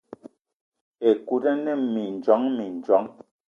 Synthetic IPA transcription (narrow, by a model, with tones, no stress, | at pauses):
e˨ku˨ɾɛ˦nɛ˦˨mi˨n˨d͡ʒɔ˨˦ŋmi˨n˨d͡ʒɔ˨˦ŋ